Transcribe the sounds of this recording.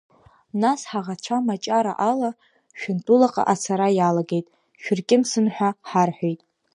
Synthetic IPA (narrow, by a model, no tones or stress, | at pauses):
nasħaʁat͡ʃʷʰamat͡ʃʼaɾa̰ʔala | ʃᶣʊntʼulaqʼa̰ʔat͡sʰaɾajalaɡe̞jtʼ | ʃᶣʏrkʲʼɪmsɨnħʷᶣaħarħʷᶣojtʼ